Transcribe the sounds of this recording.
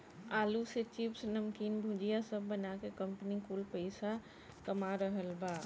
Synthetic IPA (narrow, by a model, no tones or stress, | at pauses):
aluset͡ʃipsnəmkiːnbʱũd͡ʒijasəbːənakekəmpənikulpəɪsa | kəmaɾəɦəlba